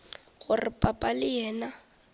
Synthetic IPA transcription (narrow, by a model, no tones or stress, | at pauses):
ɣʊrɪpʼapʼalɪjɛːna